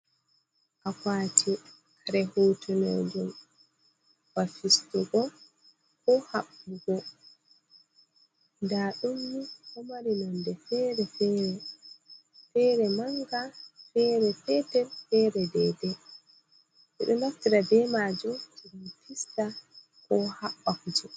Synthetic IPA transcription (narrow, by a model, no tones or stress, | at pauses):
ʔakaːtʰi | aɾɛhuːtʰunḛd͡ʒum | wafistuɡɔ | kɔhaɓːuɡɔ | ndaːɗumːihɔmaɾinɔndɛfɛːɾɛfɛːɾɛ | fɛːɾɛmaŋɡafɛɾɛfɛtɛlfɛːɾɛdɛdɛ | ʔɛ̰ɗɔnaftiɾadɛmad͡ʒumtibunpʰista | kɔhaɓːakd͡ʒu